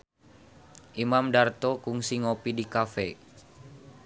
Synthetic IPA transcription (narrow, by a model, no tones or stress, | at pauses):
ʔimamdart̪ɔkuŋsiŋopidikafɛ